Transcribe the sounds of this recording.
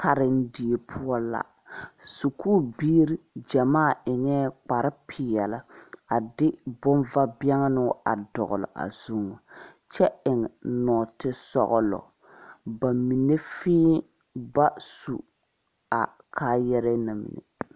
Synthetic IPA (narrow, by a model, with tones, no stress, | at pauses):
ka˨ɾɪ˦n˦di˨e˨pʰʊ˦ɔ˦la̰˨ | su˨kʰuː˦˨biː˦ɾi˦d͡ʒa˨maː˦˨ɪ˨ŋɛː˦k͡pa˨ɾɪ˦pʰɪ˨jɛ˨la˦a˨dɪ˦bʊ˦nva˦bi˦ɛ˦ŋa˦nʊ˦a̰˨dɔ˨ɣʊ̰˨lɔ̰˨ʔa̰˨z̥u˦ŋɔ˨ | t͡ʃɛ˦ɪ˨ŋ˨nɔː˨tɪ˦sɔ̰˨ɣʊ˨lɔ̰˨ | ba˨mi˨ne˦fĩː˦ | ba˦sṵ˨ | a˨ | kʰaː˦jɛ˦ɾɛ˦na˨mḭ˨nḛ˨